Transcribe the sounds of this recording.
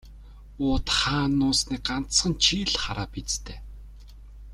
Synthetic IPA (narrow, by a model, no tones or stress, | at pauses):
ʊːt̪χaːnːʊːsniːɢan̥t͡ssχə̆nt͡ɕʰiːɮχaɾaːpit͡st̪ʰeː